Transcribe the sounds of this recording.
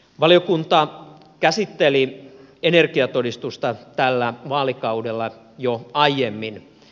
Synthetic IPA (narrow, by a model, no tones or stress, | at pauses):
ʋɑlijokunt̪ɑ | kæsit̪ːeli | enerkiɑt̪odist̪ust̪ɑt̪ælːæʋɑːlikɑudelːɑ | joɑijemːin